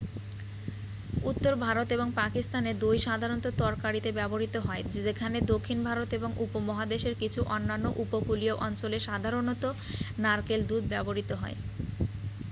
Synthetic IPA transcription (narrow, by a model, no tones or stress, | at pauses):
ut̪ːoɾbʱaɾot̪eboŋpakist̪aned̪ojʃad̪ʱaɾont̪ot̪ɔɾkaɾit̪ebɛboɾit̪oɦɔed͡ʑekʰaned̪okʰːinbʱaɾot̪eboŋʔupomɔɦad̪eʃeɾkit͡ɕʰuʔɔnːanːoʔupokulioʔɔnt͡ɕoleʃad̪ʱaɾonot̪o | naɾkeld̪ud̪̚ʱbɛboɾit̪oɦɔe